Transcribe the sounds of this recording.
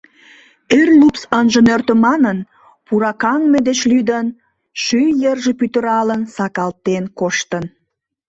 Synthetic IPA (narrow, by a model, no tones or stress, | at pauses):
erlupsənʒə̆nørt̪ə̆mɑnən | puɾɑkɑŋmed̪et͡ɕlyd̪ən | ʃyjərʒepyt̪ə̆ɾɑlənsɑkɑlt̪enkoʃt̪ən